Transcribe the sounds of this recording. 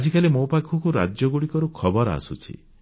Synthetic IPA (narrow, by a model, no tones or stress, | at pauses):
ad͡ʒikalemopakʰɔkuɾa̰d͡ʒjɔɡuɽikɔɾukʰɔbɔɾa̰sut͡ʃʰḭ